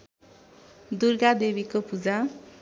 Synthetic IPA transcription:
d̪urɡad̪ebikopud͡za

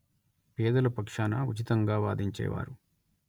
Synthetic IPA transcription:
pɛːd̪ɐlɐpɐkʂaːnɐut͡ʃit̪ɐŋɡaːʋa̰ːd̪iɲt͡ʃɛ̰ːʋa̰ːɾu

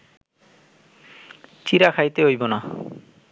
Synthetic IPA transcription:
t͡ɕiɾakʰajt̪eɦojbona

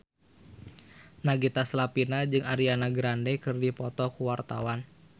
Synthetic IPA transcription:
naɡit̪aslapinad͡ʒɨŋaɾianaɡɾandɛkɨrdipɔt̪ɔkuwart̪a̰wan

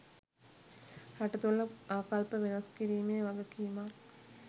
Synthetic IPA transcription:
hɐʈɐt̪uɭːɐaːkɐlpəʋenɐskiɾiːmejʋɐɡɐkiːma

